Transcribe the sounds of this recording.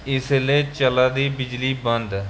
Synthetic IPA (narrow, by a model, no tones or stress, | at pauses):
ɪslet͡ʃəlaːd̪iːbɪd͡ʒliːbənd̪